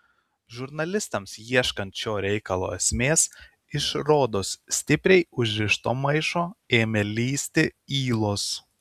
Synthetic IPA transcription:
ʒʊɾnɐlʲɪst̪ɐmsjiɛʃkɐnʲt̪t͡ʃʲoːɾʲɛɪkɐlˠo̰ːɛsʲmʲeːs | ɪʃɾoːd̪oːsːʲt̪ʲɪpʲɾʲɛɪʊʒʲɾʲɪʃt̪oːmɐɪʃoːeːmʲɛlʲiːsʲt̪ʲɪiːlˠoːs

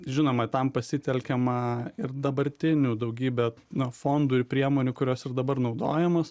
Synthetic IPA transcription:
ʒʲɪnoːmɐt̪ɐmpɐsʲɪt̪ʲɛlʲkʲɛmɐɪrd̪ɐbɐɾʲt̪ʲɪnʲuːd̪ɐʊɡʲiːbʲɛ | nʊfoːnd̪uːɪrpʲɾʲiɛmoːnʲuːkʊɾʲoːsɪrd̪ɐbɐrnɐʊd̪oːjɛmoːs

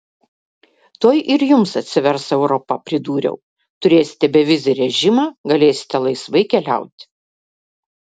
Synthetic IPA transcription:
t̪oːjʔɪɾjʊmsɐt̪ʲsʲɪʋʲɛɾsɛʊɾɔpɐpʲɾʲɪd̪uːɾʲɛ̰ʊ | t̪ʊɾʲeːsʲɪ̥t̪ʲɛbʲɛʋʲɪzʲɪɾʲɛʒʲɪmɑːɡɐlʲeːsʲɪ̥t̪ʲɛlˠɐɪsʋɐɪkʲɛlʲæ̰ˑʊt̪ʲ

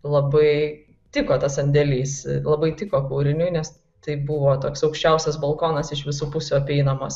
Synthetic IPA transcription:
lˠɐbɐɪ | t̪ʲɪkoːt̪ɐsɐnʲd̪ʲɛlʲiːslˠɐbɐɪt̪ʲɪkoːkuːɾʲɪnʲʊɪnʲɛs | t̪ɐɪbʊʋoːt̪oːksɐʊkʃʲt͡ʃʲɛʊsʲɛsbɐlˠkoːnɐsɪʃʋʲɪsuːpʊsʲuːɐpʲɛɪnɐmɐs

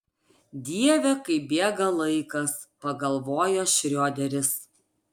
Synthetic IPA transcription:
d̪ʲiɛʋʲɛkɐɪbʲeɛɡɐlˠɐɪkɐs | pɐɡɐlˠʋoːjoːʃʲɾʲoːd̪ʲɛɾʲɪs

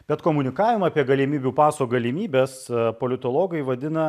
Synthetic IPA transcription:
b̥ʲɛt̪koːmʊnʲɪkɑːʋʲɪmɐːpʲiɛɡɐlʲɪmʲiːbʲuːpɑːsoːɡɐlʲɪmʲiːbʲeːspoːlʲɪt̪oːlˠoːɡɐɪʋɐd̪ʲɪnɐ

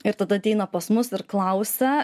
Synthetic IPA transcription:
ɪɾt̪ɐd̪ɐɐt̪ʲɛɪnɐpɐsmʊsɪɾklˠɐʊsʲɛ

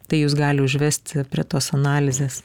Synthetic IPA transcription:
t̪ɐɪjuːsɡɑːlʲɪʊʒʲʋʲɛsʲt̪ʲpʲɾʲiɛt̪oːsɐnɑːlʲɪzʲeːs

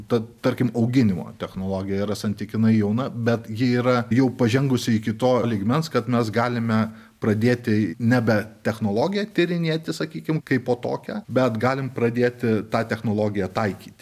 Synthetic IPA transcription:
t̪ɐtt̪ɐɾʲkʲɪmɐʊɡʲɪnʲɪmo̰ːt̪ʲɛxnoːlˠoːɡʲɪjɛiːɾɐsɐnʲt̪ʲɪkʲɪnɐɪjɛʊnɐbʲɛt̪jɪiːɾɐjɛʊpɐʒʲɛŋɡʊsʲɪɪkʲɪt̪oːlʲiːɡmʲɛnskɐt̪mʲɛs̬ɡɑːlʲɪmʲɛ | pɾɐd̪ʲeːt̪ʲɪnʲɛbʲɛt̪ʲɛxnoːlˠoːɡʲɪjɛt̪ʲɪɾʲɪnʲeːt̪ʲɪsɐkʲiːkʲɪmkɐɪpoːt̪o̰ːkʲæbʲɛt̪ɡɑːlʲɪmpɾɐd̪ʲeːt̪ʲɪt̪ɑːt̪ʲɛxnoːlˠoːɡʲɪjɛt̪ɐɪkʲiːt̪ʲɪ

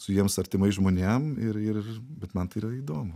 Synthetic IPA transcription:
sʊjiɛmsɐɾʲt̪ʲɪmɐɪʒmoːnʲɛmɪɾɪrbʲɛt̪mɐnt̪ɐiːɾɐiːd̪oːmʊ

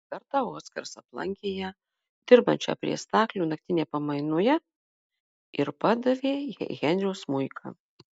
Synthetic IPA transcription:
kʲɐɾt̪ɑoːt̪sʲkɐɾsɐplˠɐ̰ŋʲkʲɪjɛ | d̪ʲɪɾbɐ̰nʲt͡ʃʲɛ̰pʲɾʲiɛ̰st̪ɑːklʲuːnɐk̚t̪ʲɪnʲeːpɐmɐɪnʊjɛ | ɪɾpɑːd̪ɐʋʲeːɣʲɛnʲɾʲɛʊsmʊɪkʰɐ̰

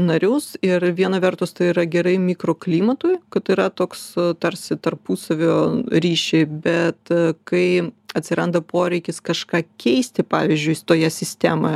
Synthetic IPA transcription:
nɐɾʲʊsɪrʋʲiɛnɐʋʲɛrt̪ʊst̪ɐɪiːɾɐɡʲɛɾɐɪmʲikɾoːklʲiːmɐt̪ʊjkɐt̪ɪɾɐt̪oːkst̪ɐɾʲsʲɪt̪ɐrpuːsɐʋʲoːɾʲiːʃʲɛɪbʲɛt̪kɐɪɐt̪ʲsʲɪɾɐnd̪ɐpoːɾʲɛɪkʲɪskɐʃkɑːkʲʰɛɪsʲt̪ʲɪpɑ̰ːʋʲɪzʲd͡ʒʲʊɪjt̪oːjɛsʲɪsʲt̪ʲæmɐ

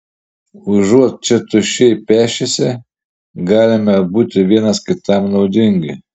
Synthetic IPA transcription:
ʊʒuɔt̪̚t͡ʃʲɪt̪ʊʃʲɛpʲæːʃʲɪsʲɛ | ɡɑːlʲɪmɐbuːt̪ʲɪʋʲiɛnɐskʲɪt̪ɐmnɔʊd̪ʲɪŋʲɡʲɪ

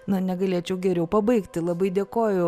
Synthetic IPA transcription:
nʊnʲɛɡɐlʲeːt͡ʃʲɛʊɡʲɛɾʲɛʊpɐbɐɪkt̪ʲɪlˠɐbɐɪd̪ʲeːkoːjʊ

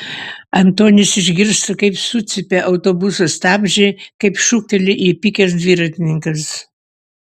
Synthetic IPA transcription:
ɐnt̪oːnʲɪsɪʒʲɡʲɪɾst̪ɐkɐɪpsut̪sʲɪpʲeʔɐʊt̪oːbʊsɐst̪ɑːbʲʒʲɛɪkɐɪpʃuk̚t̪ʲɛlʲɪʔiːpʲɪkʲɛs̬d̪ʲʋʲiːɾɐt̪ʲɪnʲɪŋkɐs

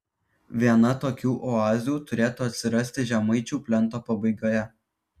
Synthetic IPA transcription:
ʋʲiɛnɐt̪oːkʲuːʔɔɑːzʲuːt̪ʊɾʲeːt̪uːɐt̪ʲsʲɪɾɐsʲt̪ʲɪʒʲɛmɐɪt͡ʃʲuːpʲlʲɛnt̪oːpɐbɐɪɡoːjɛ

